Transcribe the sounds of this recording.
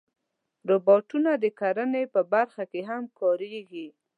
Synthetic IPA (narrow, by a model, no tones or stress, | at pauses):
ɾobɑʈunad̪əkaɾənepəbaɾxakeɦamkɑɾeɡi